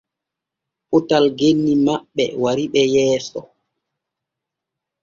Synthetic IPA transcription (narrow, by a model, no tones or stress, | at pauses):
ʔutalɡenːimaɓːɛ̰waɾiɓɛjɛːsɔ